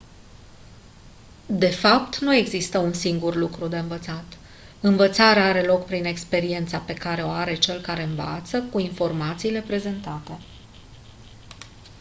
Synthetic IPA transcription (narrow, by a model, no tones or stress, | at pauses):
d̪e̞fap̚t̪nue̞ɡzist̪əunsiŋɡurlukɾud̪e̞ɨnvət̪sat̪ | ɨnvət̪saɾeaaɾe̞lo̞kpɾine̞kspe̞ɾie̞nt̪sape̞kaɾe̞o̞aɾe̞t͡ʃe̞lkaɾe̞ɨnva̰t̪səkuinfo̞rmat̪siːle̞pɾe̞ze̞nt̪at̪e̞